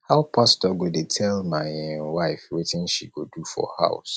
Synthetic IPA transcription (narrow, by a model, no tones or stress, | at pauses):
haʊpʰastɔɡodetʰɛlmaɪwaɪfwetɪ̃nʃḭɡodufɔ̰ha̰ʊs